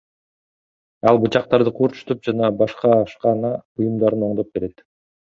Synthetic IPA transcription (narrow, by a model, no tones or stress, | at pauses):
ɑlˠbut͡ʃɑq̚t̪ɑɾd̪ɯqʰuːɾt͡ʃu̥t̪up̚d͡ʒɑnɑbɑʃqɑʃqɑnɑujumd̪ɑɾɯno̞ɴd̪op̚be̞ɾe̞t̪